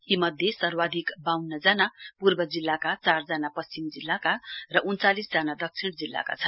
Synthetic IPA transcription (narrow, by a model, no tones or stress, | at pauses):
imʌd̪ʱjesʌrwad̪ʱikbawnːʌd͡zanapurbʌd͡zilːakat͡sard͡zanapʌst͡simd͡zilːakarʌʔunt͡salisd͡zanad̪ʌk̚t͡sʰiɳd͡zilːa̰ka̰t͡sʰʌn